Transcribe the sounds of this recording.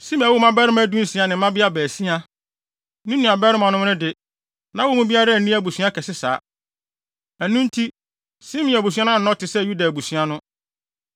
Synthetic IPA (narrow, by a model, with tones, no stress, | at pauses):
sĩ˦m̃˨wo˦mã˦bɛ˦ɾɪ˦mã˦dũ˦n̩˦si˦a˨nɪ̃˨˦ã˦bɪ˦a˦bæː˨si˦a˦ | nũ˦nũ˨a˨bɛ˦ɾɪ˦mã˨nʊ̃˦m˦nʊ̃˦dɪ˨ | nã˨˦wɔ˦mʊ̃˦bi˦a˦ɾa˦˨nĩ˦æ˦bu˨su˦ã˦kʰɛ˨sɪ˦sa̰ː˨˦ | æ˨nũ˦n˦tʰi˦ | sɪ̃˦mĩ˨æ˨bu˨s̬u˦ã˦nʊ̃˦˨nɔ̃˦tʰɪ˨sɛ˦˨ju˦da˨bu˨sũ˦a˦nʊ̃˦